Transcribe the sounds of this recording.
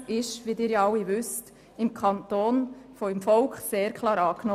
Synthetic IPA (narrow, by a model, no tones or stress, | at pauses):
ɪʃʋidɪːɾjɑɑwiʋʏst | ɪmkʰɑnt̪oːnfoɪmfɔlkχseːɾkʰlɑːɾɑːknɔ